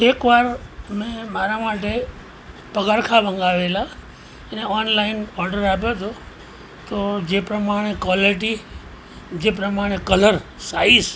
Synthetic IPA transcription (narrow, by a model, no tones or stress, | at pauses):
eːkʋaːɾmẽmaːɾamaːʈ̬e | pəɡaːɾkʰabə̃ŋɡaːʋela | neɔnlaɪnɔːɾɖəɾaːp̬jot̪ʰo | t̪oːd͡ʒeːpɾəmaːɽ̃ekʋaːliʈ̬i | d͡ʒeːpɾəmaːɽ̃ekələɾ | saːis